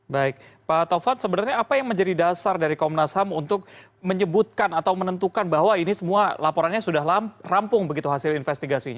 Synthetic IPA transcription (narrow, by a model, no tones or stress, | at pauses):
baɪk̚pat̪ofansəbənarɲaːpajaŋməɲd͡ʒadidasardaɾikaɔmnashamunt̪ʊk̚ | məɲəbʊt̪̚kanat̪awmənənt̪ukanbaɦwainisəmualapoɾanɲasudaɦlarampʊŋbəɡit̪uɦasɪlinfɛst̪iɡasiɲa